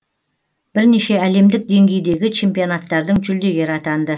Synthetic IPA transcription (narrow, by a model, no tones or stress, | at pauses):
b̥ɪɾneʃe̞æle̞md̪ɪk̚d̪e̞ŋɡʲe̞jd̪e̞ɡʲɪt͡ʃʰe̞mpio̞nat̪ːɑɾd̪əɴʒʏld̪e̞ɡʲe̞ɾɑt̪ɑnd̪ə